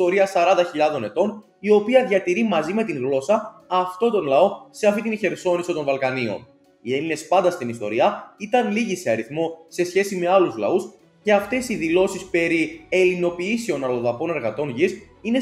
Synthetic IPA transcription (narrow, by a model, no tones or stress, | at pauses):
o̞ɾiɐsɐɾɐnd̪ɐçiʎɐðo̞ne̞t̪o̞n | io̞piɐðʝɐt̪iɾimɐzime̞t̪iŋɣlo̞sɐːft̪o̞t̪o̞nlɐo̞se̞ɐft̪it̪inçe̞ɾso̞nisit̪o̞nvɐlkɐnio̞̰n | ie̞line̞spɐnd̪ɐst̪inist̪o̞̰ɾiɐit̪ɐnliʝise̞ɐɾiθmo̞se̞sçe̞sime̞ɐluzlɐ̰us | ce̞ɐft̪e̞siðilo̞sispe̞ɾie̞lino̞piiseo̞nɐlo̞ðɐpo̞ne̞ɾɣɐt̪o̞nʝis | ine̞